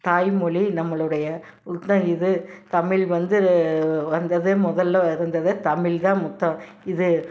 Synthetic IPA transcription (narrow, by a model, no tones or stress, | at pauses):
t̪aːjmɔɭinɐmːɐɭɯɽɐjɐ | ʊt̪ːɐ̃ɪðɯt̪ɐmɪɭʋɐnd̪ɯʋɐnd̪ɐðɯmʊðɐlːɪɾɯnd̪ɐðɯt̪ɐmɪlt̪ãːmʊt̪ːɐ̃ | ɪðɯ